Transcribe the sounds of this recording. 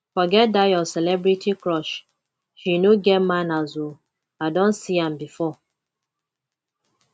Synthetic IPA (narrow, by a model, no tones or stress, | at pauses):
fɔɡɛt̚dajɔsɛlɛbɾitʰikɾɔʃ | ʃinoɡɛmanazu | adɔ̃nsiam̩bifɔ